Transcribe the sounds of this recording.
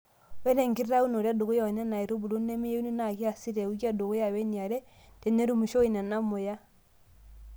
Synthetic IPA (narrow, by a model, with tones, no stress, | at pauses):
wɛ˦nɛ˨ŋɡi˦ɾɾa˦u˦no˨ɾa˦do˨ɣo˦ja˨ɔ˨nɛ˦na˨i˨ɾo˦bu˨lo˦nɛ˦mi˦je˦u˦nu˦na˨ki˦a˨si˦ɾɛ˨u˦kja˦do˨ɣo˦ja˨wɛ˦ni˨a˨ɾɛ˦ | d̥ɛ˨nɛ˦ɾu˦mu˨ʃo˦i˨na˨na˦mo˨ja˦